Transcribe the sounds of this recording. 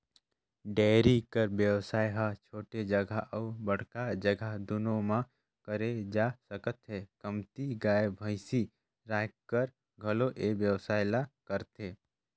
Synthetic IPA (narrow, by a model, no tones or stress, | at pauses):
ɖeːɾikəɾbjəʋsaːjɦat͡ʃʰoːʈed͡ʒəɡʱaʔəubəɽ̤kad͡ʒəɡʱad̪ʊnõmã | kəɾed͡ʒasəkət̪ɦekəmt̪iɡaːebʱəɪsi | ɾaːkkːəɾ | ɡʱəloʔebjəwsaːɪlakəɾt̪ɦeː